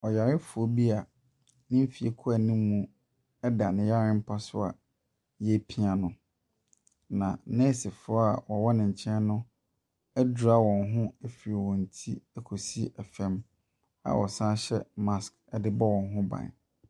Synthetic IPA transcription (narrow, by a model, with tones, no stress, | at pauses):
ɔ˨ja˨ɾɪ˦fʊ˨ɔ˦bi˦a˨ | nɪ̃˦m̩˦fi˨ḛ˨kʰa˨nĩ˦mũ˦ | ɛ˦da˨nɪ̃˨ja˦ɾɪ̃˦m̩˦pʰa˦sʊ˦a̰˨ | jɛ˦pʰi˦a˨nʊ̃˨ | nã̰˨nɛ̃ː˦sɪ˨fʊ˨˦ɔ˦a˨wɔ˨wɔ˦nɪ̃˨ɲ̩˨t͡ɕʰɛ̃˦nʊ̃˦ | æ˦du˨ɾa˦wɔ̃˨nɦʊ̃˦ɛ˦fi˨ɾe˨wɔ̃˨n̩˨tʰi˦ɛ˨kʰo˨si˦ɛ˨fɛ̃˦m | a̰˨wʔɔ̰˨sã˦ɕɛ˦mã˦sk | ɛ˦dɪ˦bɔ˦wɔ̃˨nɦʊ̃˦bã̰˨n˨